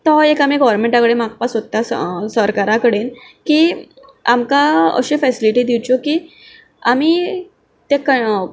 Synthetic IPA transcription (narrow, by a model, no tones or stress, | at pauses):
t̪ɔekamiɡɔʋɾmẽɳʈakəɽemak̚pasot̪ːassəɾkaɾakəɽenkiː | amkaə̰ɕefɛsiliʈiːd̪iwt͡ɕokiː | ami | t̪jakə